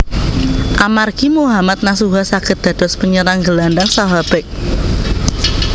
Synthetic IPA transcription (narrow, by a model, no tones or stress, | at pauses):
ʔamarɡ̥imuɦamat̪̚nas̬uɦasakət̪̚d̪̥a̤d̥ɔ̤spəɲəɾaŋɡəlandaŋsaɦab̥ɛk̚